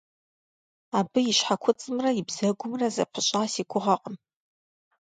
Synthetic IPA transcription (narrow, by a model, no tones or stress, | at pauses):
aːbɨjɪʃħakʷʰʊt͡sʼɨmrɐjɪbz̥ɐɡʷʊmrɐzɐ̰pʰɨɕʼaːsiːkʷʰʊʁɐqʼəm